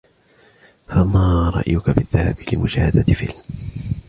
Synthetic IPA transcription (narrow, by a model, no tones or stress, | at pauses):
famaːɾˤɑ̰ʔjʊkabɪðːahabɪlɪmʊʃaːhad̪at̪fɪ̰l